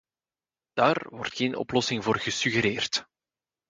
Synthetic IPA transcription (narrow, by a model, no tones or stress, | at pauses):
d̥aːrʋɔ̰rtxeːnʔɔ̰plɔsɪŋvoːrɣəsyɣəɾeːrt